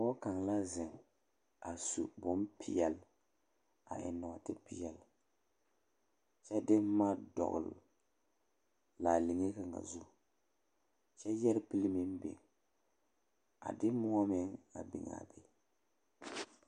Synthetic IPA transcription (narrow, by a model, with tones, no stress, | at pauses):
ɔ˦ka˨ŋla˦zɪ˨ŋ | a˨su˨bʊ˦m˦pʰi˦jɛ˨l | a̰˨ʔɪ̰˨nɔ˨a˨tɪ˦pi˦jɛ˨l | t͡ʃɛ˦dɪ˦ma˦dɔ̰˨ɣʊ̰˨l | laː˨li˨ŋe˦ka˨ŋa̰˨zu˦ | t͡ʃɛ˦jɛ˦ɾpi˦lmɪ˦m˦bɪ̰˨ŋ | a̰˨dɪ˦mʊ˦ɔ˦mɪ˨ŋa̰˨bḭ˨ŋa̰˨be˦